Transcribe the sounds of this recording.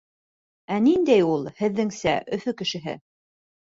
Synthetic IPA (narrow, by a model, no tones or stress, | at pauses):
ænind̪æjulˠhɘ̆ðːɘŋsæʔɵ̆fɵkɘ̆ʃɘ̆ɦɘ̰